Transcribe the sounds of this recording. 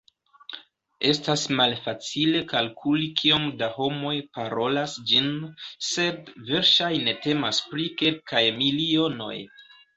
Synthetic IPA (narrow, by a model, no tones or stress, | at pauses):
e̞stasmalfat͡sile̞kalkʰulikʰio̞mdaho̞mo̞jpaɾo̞lasd͡ʒinse̞dve̞ɾʃajne̞te̞maspɾike̞lkajmilio̞no̞̰j